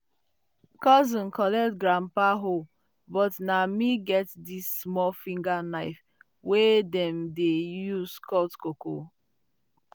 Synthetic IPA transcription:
kɔzɔ̃nkɔlɛtɡɾampaɦo | bɔtnamiɡɛtdisːmɔfĩŋɡanaɪf | wedɛmdejuzkɔtkoko

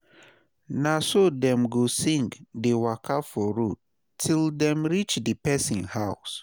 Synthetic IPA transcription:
nasodɛ̃mɡosĩŋɡdewakʰafɔɹut | tʰildɛ̃mɹit͡ʃdəpɛsĩnhaʊs

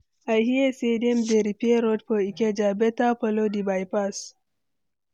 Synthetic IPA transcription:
ʔajhiesediɛmdeɾipieɾɔd̚pɔikɛd͡ʒabɛtapɔlodibajpas

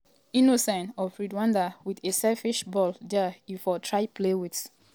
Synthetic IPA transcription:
inosɛ̃nɔfɹidwãndawidesɛlfiʃbɔldɛbifɔtʰɹaɪplewits

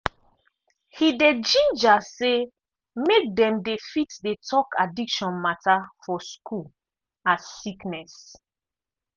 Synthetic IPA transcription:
hided͡ʒĩnd͡ʒase | mek̚dɛ̃mdefitdetʰɔkʰadikʃɔ̃nmatafɔskʰul | asːiknɛs

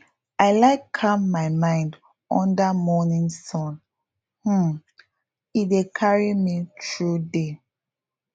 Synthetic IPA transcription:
aɪlaɪkʰːammaɪmãɪ̃nd | ɔ̃ndamɔnĩŋsɔ̃n | h̩ | idekʰaɹimitʰɹude

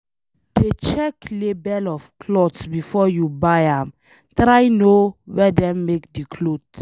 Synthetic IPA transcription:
d̥et͡ʃɛklebɛlɔfkʰlɔdsbifɔjubajãm | tɹajnowɛdɛ̃mːekdikʰlods

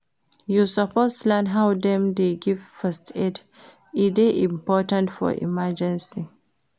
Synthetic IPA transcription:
jusəposlɛndɦawdɛ̃mdeɡivfɛstʰɛd | ideʔĩmpɔtãntfɔ̰ʔḭmad͡ʒɛ̃nsi

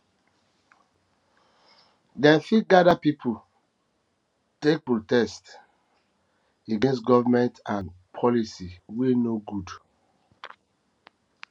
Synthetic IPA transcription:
dɛ̃nfit̚ɡadapipʰu | tek̚pɹotɛst | eɡẽnstɡɔvamɛ̃ntãnpʰɔlisiwinoɡud

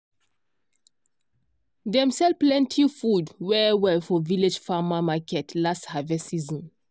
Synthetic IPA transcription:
dɛ̃msɛlplɛ̃ntʰifudwɛwɛfɔviled͡ʒfamamakɛtlasthavɛsizɔ̃n

